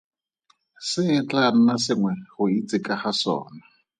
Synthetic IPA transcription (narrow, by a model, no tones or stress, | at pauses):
sɪt͡ɬʼan̩nasɪŋwɛhʊit͡sʼɪkʼahasɔ̰ːna